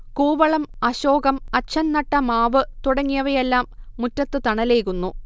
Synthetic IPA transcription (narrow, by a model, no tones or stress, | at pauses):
kuːʋɐɭɐmɐɕo̞ːɡɐmɐɕʰɐnnɐʈːɐmaːʋɨt̪uɽɐŋːijɐʋɐjelːaːmːutːɐt̪ːɨt̪ɐɳɐle̞ːkːunːu